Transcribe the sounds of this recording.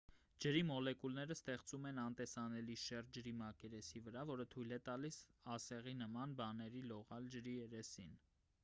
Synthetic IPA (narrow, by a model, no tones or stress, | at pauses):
d͡ʒəɾimɔlɛkulnɛɾəst̪ɛχt͡sumɛnɑnt̪ɛsɑnɛliʃɛrd͡ʒəɾimɑkɛɾɛsivəɾɑvɔɾət̪ʰujlɛt̪ɑlisɑsɛʁinəmɑnbɑnɛɾilɔʁɑld͡ʒəɾiɛɾɛsin